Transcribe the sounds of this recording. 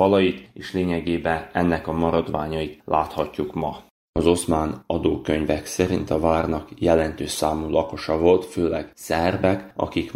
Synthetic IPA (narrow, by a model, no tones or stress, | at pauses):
fɒlɒjit̪eːʃleːɲɛɡeːbɛnɛnːɛkɒmɒɾɒd̪ʋaːɲɒjit̪lʔa̰ːt̪hɒcːukmɒ | ɒzo̞smaːnɒd̪oːkø̞ɲvɛksɛɾint̪ɒvaːrnɒkjɛlɛnt̪øːʃsaːmuːlɒko̞ʃɒvo̞lt̪føːlɛɡ̥sɛrbɛkɒ̰kik